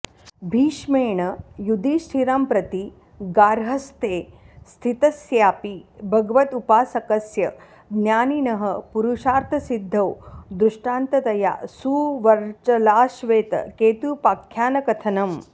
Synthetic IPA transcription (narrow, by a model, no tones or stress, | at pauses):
bʱiːʃmeːɳɐjud̪iːʃʈʰiɾaːmpɾɐt̪i | ɡaːɾɦɐst̪eː | st̪ʰit̪ɐsjaːpibʱɐɡɐʋɐt̪upaːsɐkɐsjɐ | ɡnjaːninɐɦɐ̆puɾuʂaːɾt̪ʰɐsid̪ʱːɐwd̪ɾuʂʈaːnt̪ɐt̪ɐja̰ːsuːʋɐɾt͡ʃɐlaːʃʋeːt̪ɐ̰keːt̪upaːkʰjaːnɐkɐt̪ʰɐnɐm